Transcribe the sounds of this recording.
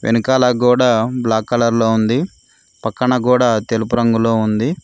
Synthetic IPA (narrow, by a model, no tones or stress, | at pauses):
ʋʔenukaːlɐkuːɽaːblaːkːɐlɐɾloːund̪i | pɐkːɐɳɐkuːɽaːt̪elupuɾɐŋɡulo̞ːund̪i